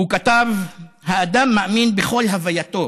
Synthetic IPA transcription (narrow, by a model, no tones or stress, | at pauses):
ukat̪av | haːd̪amːaʔaminbeχo̞lɦavajat̪o̞